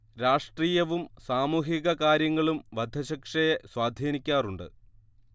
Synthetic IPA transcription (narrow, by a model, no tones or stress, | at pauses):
ɾaːʂʈriːjɐʋumsaːmuːɦiɣɐkaːɾjɐŋːɐɭumʋɐd̪ʱɐɕɐkʂɐjeswaːd̪ʱiːnikʲːaːruɳɖɨ̰